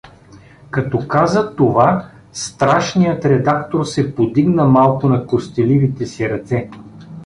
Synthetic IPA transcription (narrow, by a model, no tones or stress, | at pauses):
kɐt̪ɔkazət̪ova | st̪ɾaʃnijət̪ɾɛd̪akt̪oɾsɛpod̪iɡnəmalˠkʊnɐkost̪ɛlivit̪ɛsiɾɐt̪sɛ